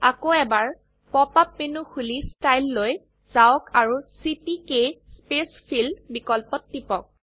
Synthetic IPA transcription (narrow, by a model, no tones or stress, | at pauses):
akoɛbaɹ | pɔpap̚menuxulistajlːoj | z̥aɔkaɹusipikespespʰilbikɔlpɔtːipɔk̚